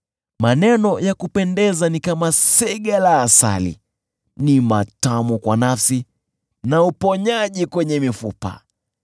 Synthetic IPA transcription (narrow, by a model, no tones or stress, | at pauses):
manɛnɔjakupɛndɛzanikamasɛɠalaːsa̰lḭ | nimatamukwanafsi | naupɔɲaʄikwɛɲɛmifupa̰